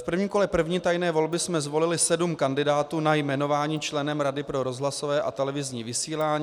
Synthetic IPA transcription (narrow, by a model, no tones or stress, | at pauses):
fpr̩vɲiːmko̞lɛpr̩vɲiːt̪ajnɛːvo̞lbɪsmɛzvo̞lɪlɪsɛdumkandɪdaːt̪uːnajmɛno̞vaːɲiːt͡ʃlɛnɛmɾadɪpɾo̞ɾo̞zɦlaso̞vɛːʔa̰t̪ɛlɛvɪzɲiːvɪsiːlaːɲi